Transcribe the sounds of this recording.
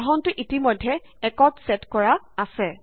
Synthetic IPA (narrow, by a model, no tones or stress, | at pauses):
ɦɔntʊʔitimɔjdʱːɛ | ɛkɔtsɛtkɔɹa | asɛ